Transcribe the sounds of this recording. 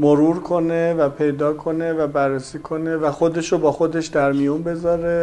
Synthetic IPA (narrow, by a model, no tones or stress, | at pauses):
moɾuɾkʰo̞ne̞væpʰe̞jd̪ɒːkʰo̞ne̞væbærːesiːkʰo̞nevæxo̞d̪e̞ʃobɒːxo̞d̪e̞ʃd̪æɾmijunbe̞zɒːɾe